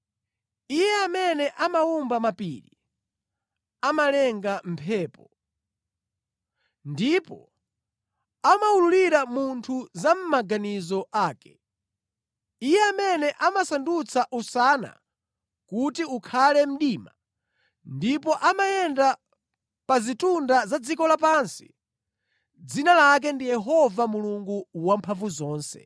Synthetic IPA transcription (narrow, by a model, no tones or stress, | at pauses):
ijɛamɛnɛʔamaumbamapiːɾḭ | amalɛŋɡam̩pʰɛːpɔ | ndipɔ̰ | amaululiɾamuntʰuzam̩maɡanizɔʔaːkɛ̥ | ijɛamɛnɛʔamasandut͡sʰaʔusana̰ | kutiukʰalɛm̩ɗiːma | ndipɔʔamajɛnda | pazitundazad͡zikɔlapansi̥ | d͡zinalak̬ɛndijɛɦɔvamuluŋɡuwampʰaɱvuzɔːnsɛ̰